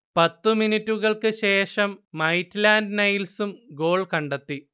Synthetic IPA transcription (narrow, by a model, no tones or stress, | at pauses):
pɐt̪ːuminitːuɣɐɭkɨɕe̞ːʂɐmːɐjtːlaːndnɐjlsumɡo̞ːɭkɐɳɖɐt̪ːi